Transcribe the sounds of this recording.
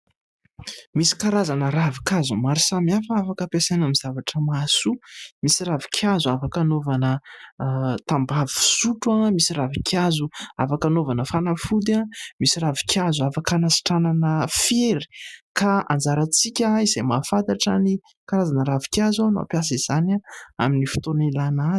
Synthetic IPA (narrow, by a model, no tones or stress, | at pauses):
misi̥kaɾazanəɾavikazumaɾisamiafafakəpesanamiz̥avaʈ͡ʂəmasumisiravikʰjazuafakanovanə | t̪ambavi̥suʈ͡ʂuamisiɾavikʰjazua̰fakanovanəfanafud̪amisiravi̥kʲjazuafakanasi̥ʈ͡ʂananəfeɾi̥kaʔa̰nd͡zaɾat͡sikʲəizemafant̪aʈ͡ʂani | kaɾazanəɾavi̥kjazanua̰pjas̬iz̥anaa̰minifi̥t̪onilanaz